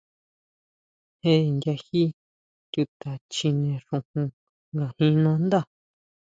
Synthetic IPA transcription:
he˦˨nɡ̪ʲja˧hi˦ | t̪ʲu˧t̪a˨t͡ʃi˧nẽ˧ʂũ˧hũ˧ | ŋɡa˨hĩ˧nã˧˦nd̪a˦˨

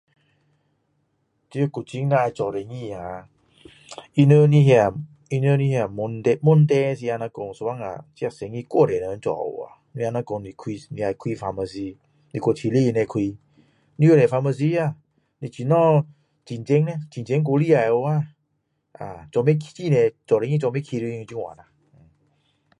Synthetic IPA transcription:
ti˧˦˧ku˨t͡ɕi˧˦ŋna˧a˧jt͡ʃɔ˨ɾɛ˨ŋi˧˨a˨ | i˧nə˧ni˧˦ɦja˨ | i˧nə˧˦ni˧ha˧˨mo˧nt̪ɛ˧mo˧˦˨nt̪ɛ˧˦si˧a˧nã˧ko˧˨ŋso˧wa˦˨ŋa̰˨t͡ɕi˧a˧˨se˨˧˨ŋi˧˨kʷo˧˨dɛ˨nə˧˦t͡ʃɔ̰˧˨o̰˨a̰˨ni˧a˧na˧˦ko˧ŋi˧˨kʰwi˧ni˧a˧jkʰwi˧fa˧ma˧si˧ | ni˧ko˧˨t͡ɕʰi˧li˦˧nɛ̃˧kʰwi˧ | nĩ˧˦o˧˨ɾɛ˨fa˧ma˧s̬i˧˦a˧˨ | ni˧t͡ɕʰi˧˨nɔ̃˦˨ | t͡ɕi˨nt͡ɕe˧˦ŋnɛ˧t͡ɕi˨nt͡ɕe˧˦ŋk̬o˧˦li˦˨a˧˨jo˧a˦˧˨ | a˨t͡ɕɔ˧me˦kʰt͡ɕi˦˧˨nɛ̃˧t͡ɕɔ˨ɾe˧˦ŋĩ˦t͡ʃɔ˧me˦kʰi˧ɾi˧nĩ˧u˧t͡ɕi˧w̃ã̰˨na˧˨˧

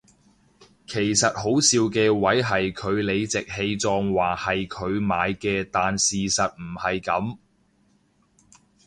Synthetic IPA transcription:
kʰe˨˩jsɐ˨t̚ho˨˥wsiː˧wkɛː˧wɐ˨˥jɦɐ˨jkʰɵ˨˧ɥle˨˧jt͡sɪ˨k̚he˧jt͡sɔː˧ŋwaː˨hɐ˨jkʰɵ˨˧ɥmaː˨˧jkɛː˧t̪aː˨nsiː˨sɐ˨t̚m̩˨˩hɐ˨jkɐ˨˧˥m

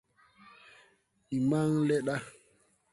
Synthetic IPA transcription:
ɗi˨ma˦ŋlɛ˦ɗa˦

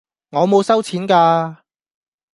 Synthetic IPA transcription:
ŋɔː˨˧mo˨˧wsɐ˥wt͡sʰiː˨˥nkaː˧

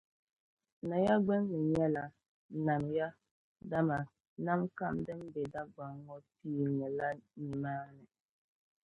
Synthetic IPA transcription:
na˨ja˦ɡ͡bɛ˦ŋːɨ˨ɲɛ˦la˨ | na˨n˨ja˦ | da˦ma˨ | na˦mka˦˨mdɨ˦m˦bɛ˨da˦ɡ͡ba˨ŋː˦ɔ˦tiː˦˨ŋɨ˨la˦ni˨maː˦nɨ˨

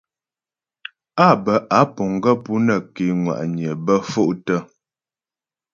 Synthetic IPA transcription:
a˦˨bə˨ʔa˨˦po˨ŋɡə˦pu˦nə˨ke˨˦ŋwa̰˨ʔɲ˨ə˨bə˦fo˦ʔtə˦

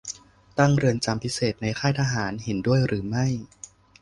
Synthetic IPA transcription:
t̪a˥˩ŋɾɯ˧ənt͡ɕa˧mpʰi˦˥seː˨˩t̪̚na˧jkʰaː˥˩jt̪ʰaː˧ɦaː˩˦nɦe˩˦ndu˥˩əjɾɯː˩˦ma˥˩j

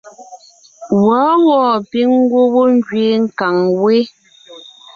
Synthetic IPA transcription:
wa˨˦wɔː˦˨pi˦ŋ˦ɡwo˦wo˦ŋ˦d͡ʒɥe˨˦ŋ̩˨ka˨ŋwe˦

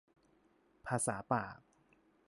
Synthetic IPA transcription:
pʰaː˧˥sa̰ː˩˦pa̰ː˨˩k̚

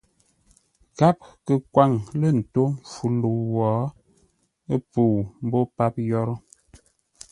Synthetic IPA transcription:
ɣa˦p̚kə˨kwa˦˨ŋlə˦˨n̩˨to˦ɱ˨fu˨lu˨wɔ˨˦ | ə˦pu˨m̩˦bo˦pa˦p̚jɔ˦ɾɔ˦

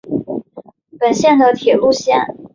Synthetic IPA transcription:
pə˨˩nɕjɛ˥˩nd̪ə˩t̪ʰjɛ˨˩lu˥˧ɕjɛ̰˥˩n

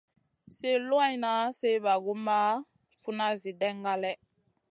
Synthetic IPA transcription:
se˦lo˦a˦i˦na˨˦se˦βa˨ɡu˦ma˦ | fu˦na˦zi˨dɛ˦ŋɡa˦lɛ˦

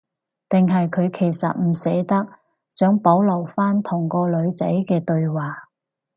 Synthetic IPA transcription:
t̪ɪ˨ŋɦɐ˨jkʰɵ˨˧ɥkʰe˨˩jsɐ̰˨t̚m̩˨˩se˨˥jt̪ɐ˥k̚ | t͡sœː˨˥ŋpo˨˥wlɐ˨˩wfaː˥nt̪ʰʊ˨˩ŋkɔː˧lɵ˨˧ɥt͡sɐ˨˥jkɛː˧t̪ɵ˧ɥwaː˨˩

